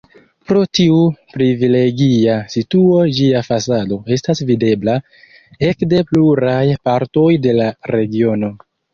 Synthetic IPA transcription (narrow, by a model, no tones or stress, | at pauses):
pɾo̞tiupɾivile̞ɡiasituo̞d͡ʒiafasado̞e̞stasvide̞bla | e̞kde̞pluɾajpaɾto̞jde̞laɾe̞ɡio̞no̞